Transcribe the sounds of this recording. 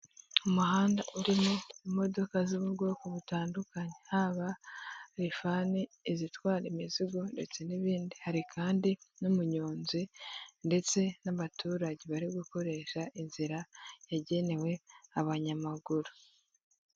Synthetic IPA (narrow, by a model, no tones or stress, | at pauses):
umuɦaːndaʔuɾimoimo̞do̞kaziβuɾɡo̞kuβutaːndukaɲehaβaɾifaniːzitwaːɾimiziɡo̞nde̞t͡se̞niβiːndihaɾikʰaːndinumuɲoːnzinde̞t͡se̞naβatʰuːɾaɟeβaɾiɡuko̞ɾe̞ʃaʔinziɾajaɟe̞ne̞we̞aβaɲamaɡuɾu